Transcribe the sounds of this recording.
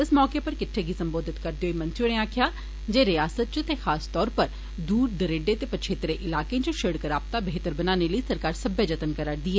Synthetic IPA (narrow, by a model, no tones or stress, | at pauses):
ɪsmɔːkepəɾkɪʈʰːeɡisəmboːd̪ʱɪt̪kəɾd̪eɦoimə̃nt͡ʃːneaːkʰjaː | d͡ʒeːɾɪjaːsət̪̚t͡ʃt̪exʰaːst̪ɔːɾpəɾ | d̪uːɾd̪əɾeːɖet̪eːpət͡ʃʰeːt̪ɾeʔɪlaːkẽt͡ʃʊʃeɽkəɾaːp̚t̪aːbeːt̪əɾbənaːneləisəɾkaːɾsəbʱəd͡ʒət̪ənkəɾəɽd̪iːɛː